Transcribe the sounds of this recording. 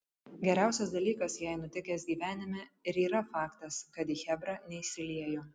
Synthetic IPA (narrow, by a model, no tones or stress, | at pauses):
ɡʲɛɾʲæˑʊsʲɛsd̪ɐlʲiːkɐsjæɪnʊt̪ʲɪkʲɛsɡʲiːʋʲæːnʲɪmʲɛɪɾiːɾɐfɑːkt̪ɐskɐt̪iːxʲɛbɾɑnʲɛisʲɪlʲiɛjoː